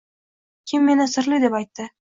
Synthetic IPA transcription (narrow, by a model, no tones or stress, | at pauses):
kʲʰɪmːe̞nɪsɪɾlɪd̪e̞pajt̪ːɪ